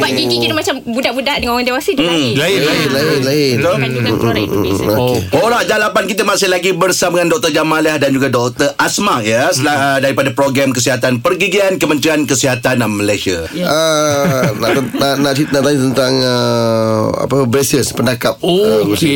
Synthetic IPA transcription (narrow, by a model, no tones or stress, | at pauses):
baɡiikit̪əmat͡ʃambudaʔbudaʔdəŋãnoɣaŋdewasədlilaɪlaɪt̪o | oeoɾaʔd͡ʒalapankit̪̬əmãsɪhlaɡibərsamŋandɔk̚t̪ərd͡ʒamalahdand͡ʒuɡadɔk̚t̪ərʔasmaʔjasladaɾipadapɾoɡɾamkəsiɦat̪anpərɡiɡiankəmənt̪ɾiankəsiɦat̪anaməlajsiaə | naanaʔit̪naʔt̪aɲut̪ənt̪aŋə | a̰pəbɾesiəspəndakap̚ok